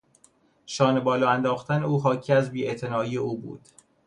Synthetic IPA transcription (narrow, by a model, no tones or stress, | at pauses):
ʃɒːne̞bɒːlɒːænd̪ɒːxt̪æne̞uːɦɒːcʰiːæzbiːet̪ʰe̞nɒːiːeuːbṵːd̪̥